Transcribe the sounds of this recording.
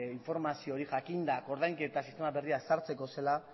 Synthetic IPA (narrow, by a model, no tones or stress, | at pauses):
iɱfo̞ɾmasio̞ɾiʝakind̪ako̞ɾðajŋke̞t̪asist̪e̞maβe̞riasaɾt͡se̞ko̞se̞la